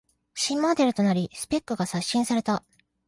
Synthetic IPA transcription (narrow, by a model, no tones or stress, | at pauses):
ɕĩmmod̪e̞ɾɯ̟t̪o̞naɾʲisɨ̥pe̞kːɯ̟ɡasaɕːĩɰ̃saɾe̞t̪a